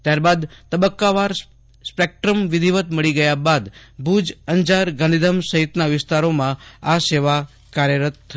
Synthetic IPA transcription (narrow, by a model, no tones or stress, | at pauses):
t̪jaɾbad̪t̪əbəkːaʋaɾ | spek̚ʈɾəmʋɪd̪ʱiʋət̪məɭiɡəjabad̪bʱud͡ʒəɲd͡ʒaɾɡə̃nd̪id̪ʱəmsəɦit̪naʋɪst̪aɾomãaseʋa | kaɾjəɾət̪̚ːʰə